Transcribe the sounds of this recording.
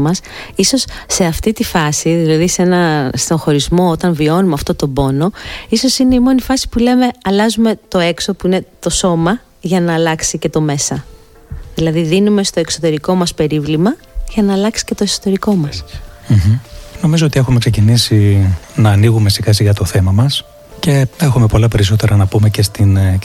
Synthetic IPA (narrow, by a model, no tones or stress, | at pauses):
mɐs | iso̞sːe̞ɐft̪it̪ifɐsiðilɐðise̞nɐst̪oŋxo̞ɾizmo̞ot̪ɐɱvio̞numeɐft̪o̞t̪o̞bo̞no̞iso̞sine̞imo̞nifɐsi̥pule̞me̞ɐlɐzume̞t̪o̞e̞kso̞puine̞t̪o̞so̞mɐ | ʝɐnɐːlɐksice̞t̪o̞me̞sɐ | ðilɐðiðinume̞st̪o̞e̞kso̞t̪e̞ɾiko̞mɐspe̞ɾivlimɐ | ʝɐnɐːlɐksi̥ce̞t̪oesot̪e̞ɾiko̞mɐsm̩ɦ̩no̞mizoot̪ie̞xumekse̞cinisinɐːniɣume̞siɣɐsiɣɐt̪oθe̞mɐmɐs | ce̞exume̞po̞lɐpe̞ɾiso̞t̪eɾɐnɐpume̞ce̞st̪in